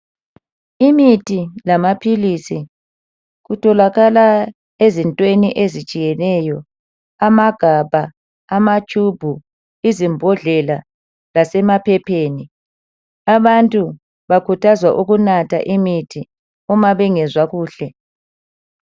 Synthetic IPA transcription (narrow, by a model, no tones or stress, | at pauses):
imitʰʼilamapʰilisi | ɣutʰɔlaɣala | ezintʼweniʔezi̥t͡ʃʼijɛnɛjɔ | amaɡ̥ʱabʱaː | mat͡ʃʰʼub̥ʱu | izimbʱɔɮɛla | lasɛmapʰɛpʰeːni | aβantʼu | βakʰutʰazwaʔuɣunatʰa̰ʔimitʰi | ɔmaβɛŋɛzwaɣuːɬɛ